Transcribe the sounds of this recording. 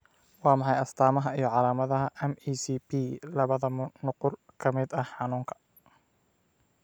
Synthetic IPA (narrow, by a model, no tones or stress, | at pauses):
wɑːmɑħɑjɐst̪ʰaːmɐɦɐijɞʕɑlaːmɐðɐɦɐʔɛmiːsiːpilɐβɐðɐnʊqʊrkʰɐmɪd̪ɐhħɑnuːŋkʰɐ̥